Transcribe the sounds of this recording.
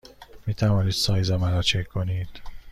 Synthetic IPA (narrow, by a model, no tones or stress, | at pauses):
miːt̪ʰævɒːniːd̪̥sɒːjzæmæɾɒːt͡ʃʰekʲʰkʰːo̞niːd̪̥